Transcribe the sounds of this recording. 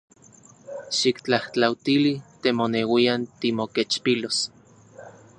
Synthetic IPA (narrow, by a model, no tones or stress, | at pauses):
ʃikt͡ɬaht͡ɬawt̪ilit̪emonewiant̪imoket͡ʃpilos